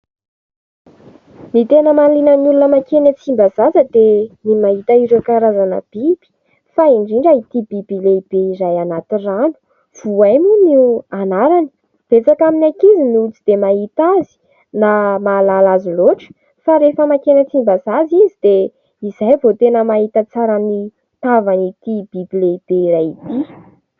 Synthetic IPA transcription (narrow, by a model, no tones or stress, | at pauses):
nit̪enəmanlinənulunəmakenət͡simbazazəd̪enimaɦit̪aiɾekaɾazanə̰b̥ib̥i̥ | faiɳɖ͡ʐiɳɖ͡ʐait̪ib̥ib̥ileib̥eizajanat̪iranu̥ | v̥uajmunianaɾani̥ | v̥et͡sakaminakiziniut͡sid̪emaɦit̪azi̥ | namaːlalazuloʈ͡ʂə̥ | faɾefəmakenət͡simbazazizid̪e | izajvot̪enəmaɦit̪ət͡saɾani | t̪avanit̪ib̥ibileib̥eiɾajit̪i